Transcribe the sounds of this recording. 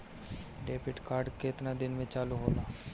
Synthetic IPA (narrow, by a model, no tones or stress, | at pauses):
ɖeːpɪʈkaːɾɖket̪nad̪ɪnmẽt͡ʃaːluɦoːlaː